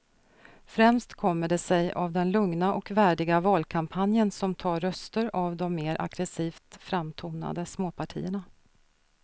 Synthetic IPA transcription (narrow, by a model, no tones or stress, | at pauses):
fɾɛmst̪kʰɔmːəɖɛsɛja̰vd̪ɛnlɵŋnaʔɔkvæːɖɪɡavɑːlkʰampʰanjənsɔmt̪ʰɑːɾːœst̪əɾavd̪ɔmːeːɾʔa̰ɡ̥ɾɛsiːft̪fɾamt̪ʰuːna̰d̪əsmoːpʰaʈʰḭːəɳa